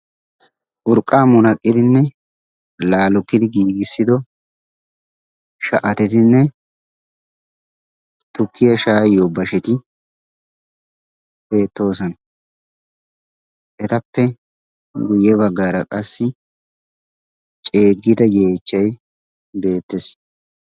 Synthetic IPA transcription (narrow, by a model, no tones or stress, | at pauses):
ʔʊɾkʼːaːmʊnɐkʼːɪd̪ɪnːɛ | laːlɔkːɪd̪ɪɡiːɡɪsːɪd̪ɔ | ʃɐʔɐt̪ɛt̪ɪnːɛ | t̪ʊkːɪjɐʃaːjobɐʃɛt̪ɪ | b̥e̞ːt̪ːo̞ːsɔn | ʔɛt̪ɐpːɛ | ɡʊjɛβɐɡːaːɾɐkʼɐsːɪ | t͡ʃʼe̞ːɡːɪd̪ɐje̞ːt͡ʃːɐj | be̞ːt̪ːes